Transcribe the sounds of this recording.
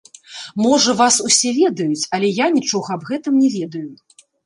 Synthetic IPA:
mɔʐɐvasusʲɛvʲɛd̪ɐjut͡sʲɐlʲɛjanʲit͡ʂɔɣɐɐbɣɛt̪ɨmnʲɛvʲɛd̪ɐju

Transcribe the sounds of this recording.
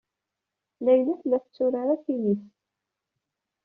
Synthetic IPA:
læjlæθlæθət͡sːʊɾaɾakiniθ

